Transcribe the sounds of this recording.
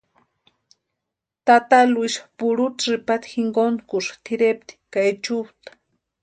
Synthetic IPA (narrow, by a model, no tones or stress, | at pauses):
t̪at̪aluiʃpuɽut̪ʐipat̪xiŋɡonkuʂt̪ʰiɾep̚t̪i̥kajt͡ʃuwt̪ḁ